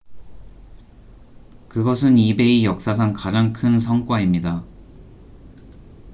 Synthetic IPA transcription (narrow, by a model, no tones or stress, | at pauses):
kɯɡʌs̬ʰɯnibe̞ijʌk̚s͈as̬ʰaŋkad͡ʑaŋkʰɯns̬ʰʌŋk͈waimɲida